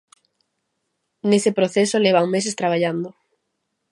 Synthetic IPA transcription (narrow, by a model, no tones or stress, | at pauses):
nesepɾoθesoleβaŋmes̬est̪ɾaβaʎand̪ʊ